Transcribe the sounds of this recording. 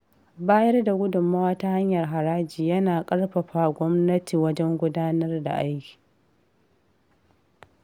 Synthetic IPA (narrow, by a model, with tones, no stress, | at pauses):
baː˦jɐ˦rda˨ɡʷʊ˦dʊ˨mːaː˦wɐ˦ta˦ha˦ɲjɐ˨rɦa˨ɾaː˦d͡ʒiː˨jɐ˦naː˨kʼɐ˦ɽɸɐ˨ɸa˨ɡʷɔ˦mnɐ˦tiː˨wɐ˦d͡ʒɛ˦ŋɡʷʊ˦daː˦nɐ˦rda̰˨ʔa˦jkʲi̥ː˨